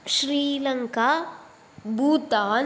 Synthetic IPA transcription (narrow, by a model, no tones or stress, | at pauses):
ʃɾiːlɐŋka | buːt̪aː